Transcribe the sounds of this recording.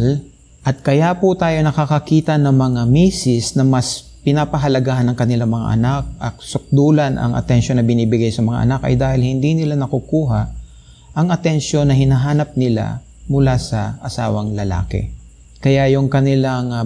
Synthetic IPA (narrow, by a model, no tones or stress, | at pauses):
l | ʔɐt̪̚kɐjapʊt̪aːjo̞nɐkakɐkiːt̪ɐnɐŋmɐŋamiːsɪsnɐmɐs | pɪnapɐɦɐlɐɡahɐnːɐŋkɐnɪlaŋmɐŋa̰ʔɐ̰nak̚ʔɐk̚sʊk̚d̪uːlɐnɐ̰ŋʔɐ̰t̪ɛnʃonːɐbɪniːbɪɡajsɐmɐŋa̰ʔɐ̰nakɐ̰jd̪aːhɪlhɪnd̪inɪlanɐkʊkuːɦaʔ | ʔɐŋɐt̪ɛnʃo̞nːɐhɪnɐɦaːnɐp̚nɪla̰ | mʊlasɐʔɐsa̰ːwɐŋlɐla̰ːkɛ̰ | kɐjajʊŋkɐnɪlaŋ